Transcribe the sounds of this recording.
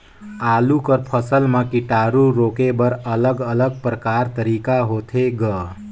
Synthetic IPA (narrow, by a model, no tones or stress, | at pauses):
aːlukəɾpʰəsəlmãkiʈaɾuɾoːkebəɾələɡələɡ̚pɾəkaɾt̪əɾiːkaɦoːt̪ʰeɡə